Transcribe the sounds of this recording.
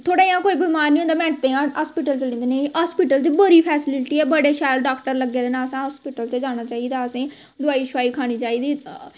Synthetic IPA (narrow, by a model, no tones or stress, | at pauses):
t̪ʰoːɽeːjãːkoːibɪmaːɾniːõnd̪aːmɛ̃ːɳʈt̪eːãːɦaːspɪʈəlt͡ʃəlĩːnd̪eːnẽɦaːspɪʈəlt͡ʃbəɾiːpʰɛːsɪlɪʈiːɛːbəɽeːʃaːlɖaːkʈəɾləɡːeːd̪eːnãːəsãːɦɔːspɪʈəlt͡ʃəd͡ʒaːñaːt͡ʃaːiːd̪aːəsẽː | d̪ʊaːiːt͡ʃʰʊʋaːiːkʰaːɽ̃iːt͡ʃaːiːd̪iː